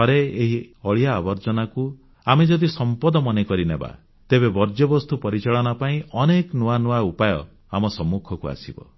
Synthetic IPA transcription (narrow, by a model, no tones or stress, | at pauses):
ɦɔɾeeɦiɔɭijaːbɔɾd͡ʒɔnaku | amed͡ʒɔd̪isɔmpɔd̪ɔmɔnekɔɾineba̰ | t̪ebebɔɾd͡ʒɔbɔst̪upɔɾit͡ʃaɭɔnapaĩʔɔneknuanuwaupajɔ | amɔsɔmːukʰɔkua̰sibɔ̰